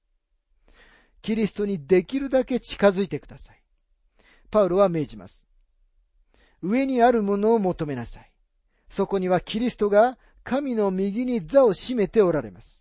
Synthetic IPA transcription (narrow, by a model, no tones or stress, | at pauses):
kʲiɾʲisɨ̥t̪o̞ɲ̟id̪e̞kʲiɾɯ̟d̪ake̞t͡ɕi̥kazɨit̪e̞kɯ̟d̪asḁi̥ | paɯ̟ɾo̞βame̞ːʑima̰sɨ̥ | ɯ̟e̞ɲ̟iaɾɯ̟mo̞no̞ːmo̞t̪o̞me̞nasai | so̞ko̞ɲ̟iβakʲiɾʲisɨ̥t̪o̞ɡa | kamʲino̞mʲiɡʲiɲ̟id͡zao̞ɕime̞t̪e̞o̞ɾaɾe̞̰masɨ̥